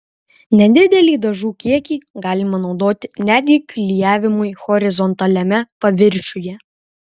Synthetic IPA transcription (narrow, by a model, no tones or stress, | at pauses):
nʲɛd̪ʲɪd̪ʲɛlʲiːd̪ɐʒuːkʲiɛkʲiːɡɑːlʲɪmɐnɒʊd̪oːt̪ʲɪnʲæːt̪ʲɡʲiːklʲɪjæːʋʲɪmʊjxɔɾʲɪzɔnt̪ɐlʲɛmʲɛpɐʋʲɪɾʲt͡ʃʲʊjɛ